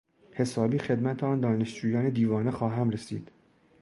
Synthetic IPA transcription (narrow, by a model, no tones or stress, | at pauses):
he̞sɒːbiːxe̞d̪mæt̪ʰeɒːnd̪ɒːne̞ʃd͡ʒuːjɒːned̪iːvɒːnexɒːɦæmɾesḭːd̪̥